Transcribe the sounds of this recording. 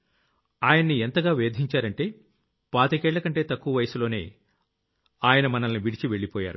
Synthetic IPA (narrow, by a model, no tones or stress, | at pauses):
aːjɐnːient̪ɐɡaːʋeːd̪ʱiɲt͡ʃaːɾɐɳʈe̞ː | paːt̪ɐkɛːɭːɐkɐɳʈe̞ːt̪ɐkːuʋɐʋɐjɐsulo̞ːne̞̰ː | aːjɐnɐmɐnɐlɐniʋiɽit͡ʃiʋe̞ɭːipɔːja̰ːɾu